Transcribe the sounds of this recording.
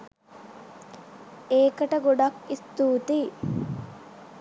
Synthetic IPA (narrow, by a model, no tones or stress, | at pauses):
eːkəʈəɡoɖakist̪uːt̪i